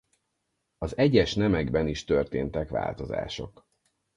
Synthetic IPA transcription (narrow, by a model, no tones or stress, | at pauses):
ɒzɛɟɛʃnɛmɛɡbɛniʃt̪ørt̪eːnt̪ɛkʋa̰ːlt̪o̞za̰ːʃo̞̰k